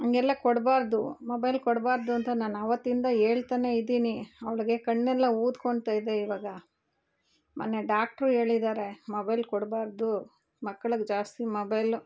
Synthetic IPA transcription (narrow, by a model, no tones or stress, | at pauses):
ɐŋɡɛlːɐkɔɽbaːɾd̪umobɐjlkɔɽbaːɾd̪uɐnt̪ɐnaːnɐʋɐt̪ːind̪ɐe̞ːɭt̪aːne̞id̪iːniɐʋɭiɡe̞kɐɳːɛlːɐuːd̪koɳɖt̪aːjd̪e̞iʋaːɡɐ | mʔa̰ːnːeɖaːk̚ʈɐɾe̞ːɭid̪aːɾe̞mobɐjlkɔɽbaːɾd̪u | mɐkːɐɭuɡd͡ʒaːst̪imobɐjl